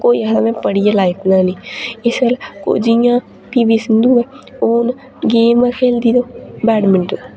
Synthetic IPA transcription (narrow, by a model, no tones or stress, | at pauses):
koːiːasaːmɛ̃ːpəɽijeːlaːipʰnãːnĩːɪsəlko̰ːd͡ʒijãː | piːbiːsɪnd̪uːɛːoːn | ɡeːməkʰeːld̪iːd̪oːbɛːɖmɪɳʈo